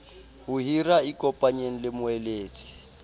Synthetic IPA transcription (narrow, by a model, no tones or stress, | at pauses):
hʊɦiraikʼɔpʼaɲen̩lɪmʊɛleːt͡sʰʼi̥